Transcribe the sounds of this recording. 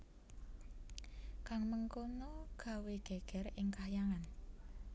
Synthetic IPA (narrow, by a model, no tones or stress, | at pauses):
kaŋməŋkonoɡ̥ä̤weɡ̥ɛ̤ɡ̥ɛ̤ɾɪŋkajaŋan